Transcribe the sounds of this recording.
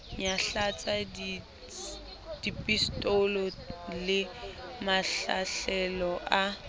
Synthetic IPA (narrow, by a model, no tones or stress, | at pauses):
ɲaɬat͡sʼad | d̥ipʼistʼolɔlɪmaɬa̰ɬɛlɔʔa